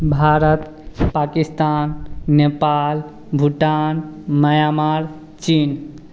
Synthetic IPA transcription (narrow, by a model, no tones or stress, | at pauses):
bʱaɾət̪ | pakist̪anːepal | bʱuʈanməjamaɾ | t͡ʃin